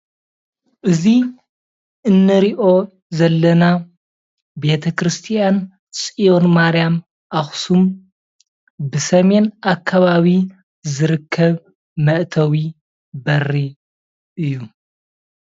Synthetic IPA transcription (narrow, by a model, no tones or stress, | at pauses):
ʔɨzi | ʔɨnːɨɾiʔo̞ | zɐlːɐna | be̞t̪ʰɐkʰɾɨst̪ʰijan | t͡sʼijo̞nmaɾijam | ʔaxsum | bɨsɐme̞nʔakʰːaβaβi | zɨɾɨkʰːɐβ | mɐʔt̪ʰɐwi | bɐrːi | ʔɨjːu